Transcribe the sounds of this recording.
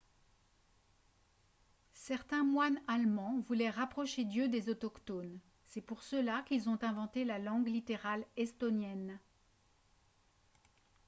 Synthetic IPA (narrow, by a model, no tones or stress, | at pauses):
sɛʁt̪ɛ̃mwanalmɑ̃vulɛʁapχɔʃed̪jød̪ezɔt̪ɔkt̪on | sɛpuʁsəlakilzɔ̃t̪ɛ̃vɑ̃t̪elalɑ̃ɡlit̪eʁalɛst̪ɔnjɛn